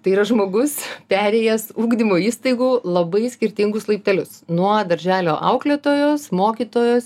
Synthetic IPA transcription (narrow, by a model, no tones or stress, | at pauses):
t̪ɐɪiːɾɐʒmoːɡʊspʲæːɾʲeːjɛsuːɡd̪ʲɪmoːiːst̪ɐɪɡuːlˠɐbɐɪsʲkʲɪɾʲt̪ʲɪŋɡʊslˠɐɪp̚ʲt̪ʲɛlʲʊsnuɔd̪ɐɾʲʒʲæːlʲoːʔɐ̰ʊklʲeːt̪oːjoːsmoːkʲit̪oːjoːs